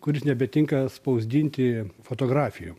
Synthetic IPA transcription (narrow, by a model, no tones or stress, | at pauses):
kʊɾʲɪsnʲɛbʲɛt̪ʲɪŋkɐspɐʊzʲd̪ʲiːnʲt̪ʲɪfoːt̪oːɡɾɑːfʲɪju